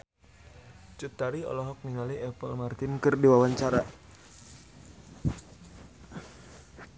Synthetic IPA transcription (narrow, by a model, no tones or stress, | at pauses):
t͡ʃut̪aɾiɔ̰lɔɦɔk̚niŋaliʔɛpəlmart̪ɪnkɨrdiwawaɲt͡ʃaɾa